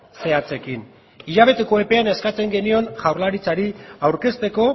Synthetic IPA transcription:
se̞at͡se̞kin | iʎaβ̞e̞t̪e̞ko̞epe̞ane̞skat͡se̞ŋɡe̞nio̞nʝawɾlaɾit͡saɾiawɾke̞st̪e̞ko̞

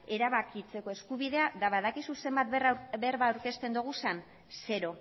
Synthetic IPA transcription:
e̞ɾaβakit͡se̞ko̞e̞skuβiðe̞aðaβaðakisuse̞mbat̪̚rβeɾβaːwɾke̞st̪e̞nd̪uɣ̞usan | se̞ɾo̞

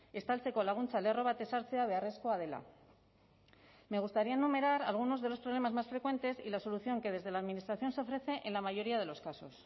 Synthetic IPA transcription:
e̞st̪alsekolaɣunt͡salero̞βat̪esaɾt͡seaβeare̞skoað̞e̞la̰ | me̞ɣ̞ust̪aɾiaenːume̞ɾaɾalɣ̞uno̞zðe̞lo̞spɾo̞β̞le̞mazmasfɾe̞kwe̞nt̪e̞sḭlaso̞luθjo̞ŋke̞ð̞e̞zð̞e̞laːðminist̪ɾaθjo̞nseofɾe̞θe̞ʔenlamaʝo̞ɾiað̞e̞lo̞skaso̞̰s

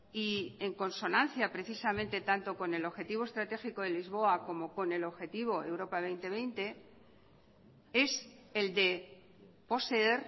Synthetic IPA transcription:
ie̞ŋko̞nso̞nãnθjapɾe̞θisamẽnt̪e̞t̪ant̪o̞ko̞ne̞lo̞βxe̞t̪iβ̞o̞e̞st̪ɾat̪e̞xiko̞ðe̞lizβ̞o̞ako̞mo̞ko̞ne̞lo̞βxe̞t̪iβ̞o̞e̞wɾo̞paβ̞e̞jnt̪e̞β̞ejnt̪e̞ | e̞seld̪e̞ | po̞see̞ɾ

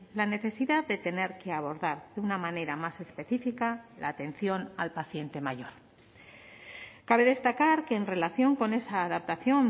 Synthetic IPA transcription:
lane̞θe̞siðaððe̞t̪e̞ne̞ɾkeaβo̞ɾðaɾðeunamane̞ɾamase̞spe̞θifikalaːt̪e̞nθjo̞nalpaθje̞nt̪e̞maʝo̞ɾ | kaβe̞ðe̞st̪akaɾke̞ːnre̞laθjo̞ŋko̞ne̞saːðap̚t̪aθjon

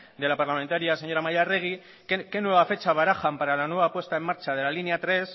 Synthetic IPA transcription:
d̪e̞lapaɾlame̞nt̪aɾias̬eɲo̞ɾamajare̞ɣ̞i | keke̞nwe̞βafe̞t͡ʃaβ̞aɾaxampaɾalanuwe̞βapwe̞st̪aemːaɾt͡ʃað̞e̞lalineat̪ɾe̞s

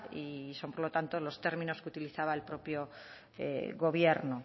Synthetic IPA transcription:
iso̞mpo̞ɾlo̞t̪ant̪olo̞st̪e̞ɾmĩno̞skut̪iliθaβaelpɾo̞pjo̞ | ḛɣo̞β̞je̞ɾno

